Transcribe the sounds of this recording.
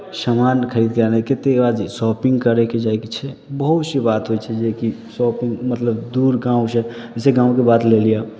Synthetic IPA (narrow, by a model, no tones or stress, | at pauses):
samaːnkʰəɾiːd̪kaneket̪eʋad͡ʒsɔːpɪ̃ŋɡkəɾɛked͡ʒaːekit͡ʃʰɛbəɦut̪sibaːt̪ɦoit͡ʃʰɛd͡ʒekisɔːpɪ̃ŋɡmət̪ləbd̪uːɾɡãːwsɛɛseɡãːw̃kebaːt̪lelija